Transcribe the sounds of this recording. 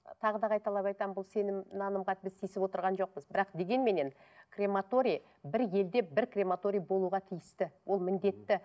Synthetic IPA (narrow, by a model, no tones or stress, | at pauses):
t̪ʰɑʁəd̪ɑqʰɑjt̪ɑlˠɑpɑjt̪ɑbʊlˠse̞nɪmnɑnəmʁɑt̪ɪbɪst̪ʰijsɪpwo̞t̪əɾʁɑnʒo̞q̚pəzbɪɾɑqd̪e̞ɡʲe̞nme̞ne̞n | krʲe̞mat̪o̞ɾʲij | bɪɾje̞ld̪e̞bɪɾkrʲe̞mat̪o̞ɾʲijbo̞lˠuʁɑt̪ʰijɪst̪ɪwo̞lˠmɪnd̪e̞t̪ːɪ